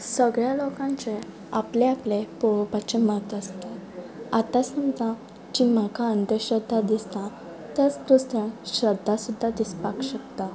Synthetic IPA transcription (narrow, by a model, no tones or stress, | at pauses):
səɡɭjalokãɲt͡se | apleaplepoʋpat͡ɕemət̪əst̪eat̪asəmd͡zã | d͡ʑim̤akaənd̪əɕɾəd̪ʱːad̪ist̪ã | t̪ət͡skɾust̪jãɕɾəd̪ʱːasud̪ʱːad̪ispakɕəkt̪a